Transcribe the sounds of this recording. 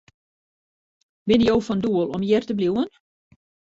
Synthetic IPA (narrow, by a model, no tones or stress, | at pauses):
bɪnjowfɔnduəlˠɔmjɛrtəbljuwən